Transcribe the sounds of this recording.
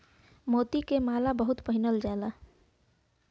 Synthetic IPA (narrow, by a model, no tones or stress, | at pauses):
moːt̪ikemalabəɦut̪pəɦinəld͡ʒaela